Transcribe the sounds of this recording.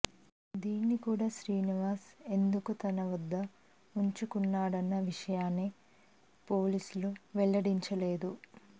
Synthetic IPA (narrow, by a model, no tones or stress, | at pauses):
d̪iːnːikuːɽaːʃɾiːniʋaːse̞nd̪ukut̪ɐnɐʋɐd̪ːɐ | uɲt͡ʃukunːaːɽɐnːɐʋiʂɐjaːnːe | po̞ːlisuluʋɛɭːɐɽiɲt͡ʃɐle̞ːd̪u